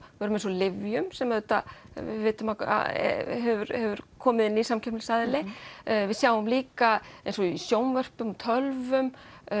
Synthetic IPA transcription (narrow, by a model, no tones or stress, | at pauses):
œːɾʏmejnsɔlɪvjʏmsɛmːaðɛt̪a | vɪ̰ðvɪːt̪ʏmaa̰ɦɛvʏɾhɛvʏɾ̥kʰɔːmɪðɪnːisamcʰɛ̥lsaðɪlɪvɪðsjaːwʏmliːkaẽjnsɔisjoːwnvœr̥pʏmt̪ʰœlvʏm